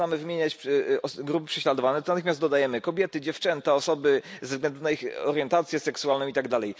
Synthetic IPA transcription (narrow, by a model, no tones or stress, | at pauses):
amɘvmʲjeɲat͡ɕɔɡɾup̬ɘpʂɛɕlad̪ɔvanɛt̪nat̪ɪxmʲjast̪d̪ɔd̪ajɛmɘkɔbʲjɛt̪ɘd͡ʑɛft͡ʂɛnt̪aɔsɔbɘzvɡlɛnd̪unaixɔ̰ɾjɛnt̪at̪sʲjɛsɛksuwalnɔ̃it̪aɡd̪alɛj